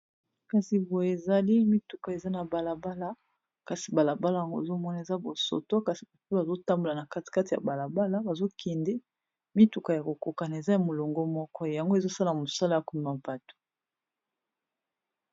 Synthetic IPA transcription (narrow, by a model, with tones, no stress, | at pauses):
ka˨si˨bo˨je˨e˨za˨li˦mi˦tu˨ka˨e˨za˦na˨ba˨la˨ba˦la˦ | ka˨si˨ba˨la˨ba˦la˦ja˨ŋɡo˦e˨zo˦mɔ˦na˨e˨za˦bo˨so̰˨to˦ka˨si˨ba˨pi˦ba˨zo˦ta˦mbo˨la˨na˨ka˦ti̥˨ka˦ti˨a̰˨ba˨la˨ba˦la˦ba˨zo˦kʰɛ˨ndɛ˦ | mi˦tu˨ka˨ja˨ko˨ko˨ka˨na˨e˨za˦ja˨mo˨lo˨ŋɡɔ˦mɔ˦kɔ˦˨ja˨ŋɡo˦e˦˨zo˦sa˦la˨mo˨sa˦la˦ja˨ku˦m˨ma˨ba˨tu̥˨